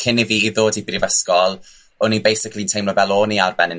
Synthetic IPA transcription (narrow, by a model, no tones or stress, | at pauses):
kʰɪniviːðoːdibrivɛskɔlˠ | ɔnibejsɪkʰlintʰejmlɔvɛlˠoːniarbɛnɪ